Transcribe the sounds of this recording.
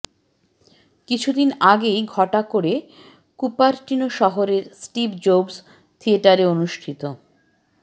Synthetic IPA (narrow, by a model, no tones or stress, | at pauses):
kit͡ɕʰud̪inaɡejɡʱɔʈakoɽe | kupaɾʈinoʃɔɦoɾeɾsʈibd͡ʑobs | t̪ʰieʈaɾeonuʃʈʰit̪o